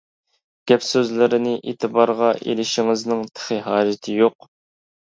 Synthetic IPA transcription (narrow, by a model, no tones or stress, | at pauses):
ɡ̥ʲɛpsøzlɪɾɪnɪʔḛːt̪ʰɨbɑɾʁɑʔḛlɪʃɪŋɪznɪŋt̪ʰə̥χəɦɑːd͡ʒɪt̪ʰɪjoq̚